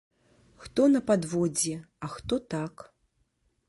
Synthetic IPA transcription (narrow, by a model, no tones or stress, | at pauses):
xt̪ɔnɐpad̪vɔd͡zʲɛ | ɐxt̪ɔt̪ak